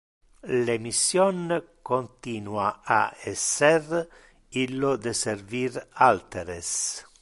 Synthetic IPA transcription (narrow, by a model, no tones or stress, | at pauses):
lemisjɔnkont̪inwaa̰esːɛr | ilːod̪eseɾviɾalt̪eɾes